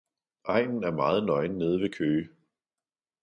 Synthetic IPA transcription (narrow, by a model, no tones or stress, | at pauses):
ʔɑ̈ɪ̰nn̩æɐmɑ̈ːð̞̩ˠnɒ̽ɪnːe̝ːð̞ˠʋe̝kʰøː